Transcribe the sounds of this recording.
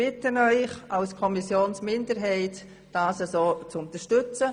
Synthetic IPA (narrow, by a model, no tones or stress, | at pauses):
ɪtənœʏχalskʰɔmisjoːnsmɪndəɾɦɛɪt | d̥aːsəsoːt͡sʊntəʃtʏt͡sə